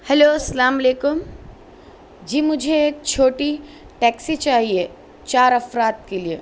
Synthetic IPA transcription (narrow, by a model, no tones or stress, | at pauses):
hɛloːsɐlaːmɐleːkʊm | d͡ʒiːmʊd͡ʒʱeeːk̚t͡ʃʰoːʈi | ʈɛːksit͡ʃaːɦie | t͡ʃaːɾɐfɾaːt̪̚kelie